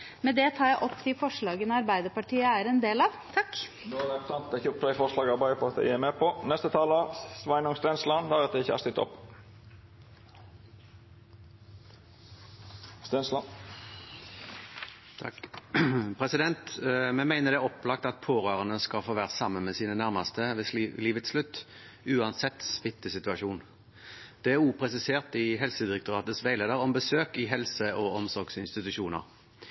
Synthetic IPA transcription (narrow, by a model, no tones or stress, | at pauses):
mɛd̪ɛt̪ʰɑːɾjæɪʔɔpːt̪ʰɪlfɔʂɭɑːɡənɑɾbæɪd̪əpɑʈʰiːəæɾɛnd̪eːlɑʋt̪ʰɑk̪ː | oɛpt̪ʰɑnt̪̚d̪ɛɪçəɔplɛɪfɔʂlɑːɡɑɾbæɪd̪əpɔɑt̪d̪æ̰ɪɪmɛpʰɔnɛst̪ət̪ʰɑːləsʋɑɪnʊŋst̪ɛnslɑnd̪ɑɾɛt̪əɪçəæ̰ɾst̪ɪt̪ʰːɔ̰pː | st̪ɛnslɑn | pʰʁɛsɪd̪ɛnt̪mɛmæɪnəʁd̪ɛːɔpːlɑk̚t̪ɑt̪̚pʰoːʁøːʁənəskɑlfoːʋæːʁsɑmːənmɛsiːnənæʁmɑst̪əʋɛsliːʋət̪slʉt̪ː | ʉːɑnsɛt̪ːsʋɪt̪ːəsɪt̪ʉɑʃuːn | d̪̥ɛæʁuːpʰʁɛsɪseːʁt̪ɪɦɛlsəd̪ɪɾɛk̚t̪ʊʁɑːt̪əsʋæɪleːd̪əʁɔmbəsøːkɪɦɛlsəʔoːɔmsɔʁɡsɪnst̪ɪt̪ʉʃuːnə̰ʁ